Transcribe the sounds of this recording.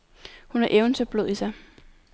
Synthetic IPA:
hunæɐʔeʊnsʰøb̥loð̰ˠisɑ̈ɪ

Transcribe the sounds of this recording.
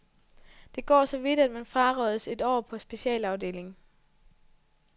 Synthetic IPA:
d̥e̝ɡ̥ɒ̰ːsɒ̽ʋid̥æd̥̚mænfʁɑ̈ʁɒðˠse̝d̥ɒ̰ːpʰɒ̽sb̥e̝ɕɛ̰ːlɑ̈ʊde̝̰ːle̝ŋ

